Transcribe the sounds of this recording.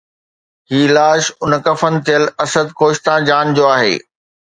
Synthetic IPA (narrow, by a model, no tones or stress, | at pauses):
ɦiːlaːʃʊnkɐfənɪ̆t̪ijəlɐsəd̪̚koːʃt̪ãːd͡ʑaːnd͡ʑoːaːɦḛː